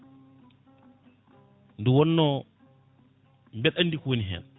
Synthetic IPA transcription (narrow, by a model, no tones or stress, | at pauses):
nduwɔnːɔ | mbɛɗanːdikuwoniɦɛ̰n